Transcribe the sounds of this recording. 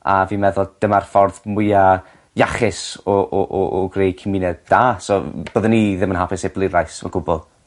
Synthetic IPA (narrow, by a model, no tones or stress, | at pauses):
a̰vimɛðʊlˠd̥ɪmarfɔrðmʊja | jaχɪsɔʔɔʔɔʔɔɡrejkʰɪmɪnɛdd̥aːsɔb̥əːðəniðɪmənhapʰɪseblˠɪɾajsɔ̰ɡ̥ʊbɔlˠ